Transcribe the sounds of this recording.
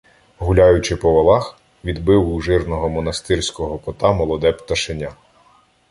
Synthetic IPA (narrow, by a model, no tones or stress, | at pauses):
ɦulʲajʊt͡ʃɪpɔʋɐlˠɑx | ʋʲid̪bɪwuʒɪrnɔɦɔmɔnɐst̪ɪrsʲkɔɦɔkɔt̪ɑmɔlˠɔd̪ɛpt̪ɐʃenʲa